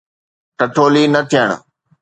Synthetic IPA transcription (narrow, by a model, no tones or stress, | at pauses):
ʈɐʈʰoːlinɐt̪ʰijəɽ̃ʊ̰